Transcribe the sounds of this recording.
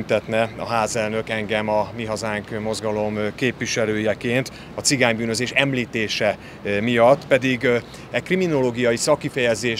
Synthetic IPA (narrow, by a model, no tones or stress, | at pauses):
mt̪ɛt̪nɛɒ̰ɦaːzɛlnøkɛŋɡɛmɒmiɦɒzaːŋkmo̞zɡɒlo̞mkeːpʋiʃɛløːjɛkeːnt̪ | ɒt̪siɡaːɲbyːnø̞zeːʃɛmliːt̪eːʃɛ | mijɒt̪ːpɛd̪iɡ | ɛkrimino̞loːɡijɒjisɒkːifɛjɛzeː